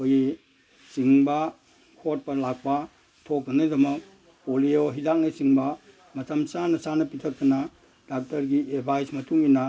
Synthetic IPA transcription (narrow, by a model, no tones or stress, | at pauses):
koji | siŋbɐ | kʰot̚pɐlak̚pɐ | tʰok̚ːɐnɐdɐmɐk̚ | polioɦidak̚nɐsiŋbɐ | mɐtɐmsanɐsanɐpitʰɐk̚tɐnɐ | dak̚tɐɾɡiebʱajsmɐtuŋinɐ